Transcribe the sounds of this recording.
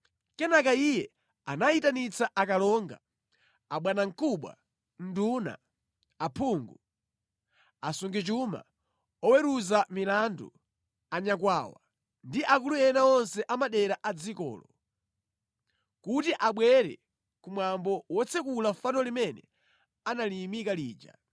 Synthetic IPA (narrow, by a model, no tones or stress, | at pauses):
kɛnakaijɛ | anaitanit͡saʔakalɔŋɡa̰ | aɓwanaŋ̩kuɓwa̰ | n̩duna̰ | apʰuːŋɡu | asuŋɡit͡ʃuma̰ | ɔwɛɾuzamilandṵ | aɲak̬wawa̰ | ndiʔakulujɛnaɔnsɛʔamaɗɛɾaʔad͡zikɔ̰ːlɔ | kutiʔaɓwɛɾɛ̰ | kumwambɔwɔt͡sʰɛkulafanɔlimɛnɛ̰ | analimikaliːd͡ʒa̰